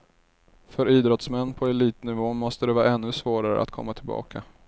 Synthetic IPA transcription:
fœɾiːd̪ɾɔt̪smɛnːpʰɔɛliːt̪nɪvoːmɔst̪əd̪ɛvɑːɛnːɵsvoːɾaɾə̰ʔa̰t̪̚kʰɔ̰mːat̪ʰɪlbɑ̰ːkʰa̰

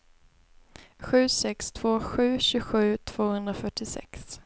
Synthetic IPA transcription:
ɧʉ̟ːsɛkst̪ʰv̥oːɧʉ̟ːɕʉɡɧʉ̟ːt̪ʰv̥oːhɵnd̪ɾafœʈːɪsɛ̰ks

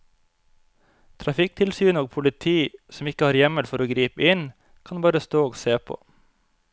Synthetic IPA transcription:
t̪ʰɾɑfɪk̚t̪ʰɪlsyːnoːɡ̚pʰʊlɪt̪ʰiːsm̩ɪkəhɑːɾjɛməlfɔɾoːɡɾiːpəɪn | kʰɑnbɑːɾəst̪oːoːɡseːpʰo̰ː

